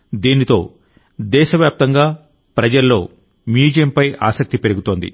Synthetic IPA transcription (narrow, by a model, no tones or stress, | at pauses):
d̪iːnit̪o̞̰ː | d̪ɛːʃɐʋjaːp̚t̪ɐŋɡaː | pɾɐd͡ʒɐlːo̞̰ː | mjuːd͡ʒɐjɐmpɐja̰ːsɐk̚t̪ipe̞ɾuɡut̪oːnd̪ḭ